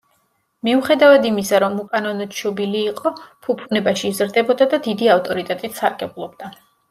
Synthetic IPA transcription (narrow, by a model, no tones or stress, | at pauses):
miuχɛd̪avad̪imisaɾɔmukʼanɔnɔd̪ʃʰɔbiliːqʼɔpʰupʰunɛbaʃiːzɾd̪ɛbɔd̪ad̪ad̪id̪iaft̪ʼɔɾit̪ʼɛt̪ʼit̪ʰsaɾɡɛblˠɔb̚d̪a